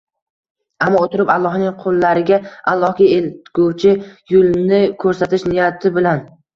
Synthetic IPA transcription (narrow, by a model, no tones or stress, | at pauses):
amːɒot̪ʰɪɾɪpalˠːɒhnɪŋqʰolˠːaɾɪɡʲaalˠːɒhɡʲaelt̪ɡ̥owt͡ʃʰɪjʊlˠnɪkʰɵɾsat̪ɪʃnɪjat̪ʰɪbɪlan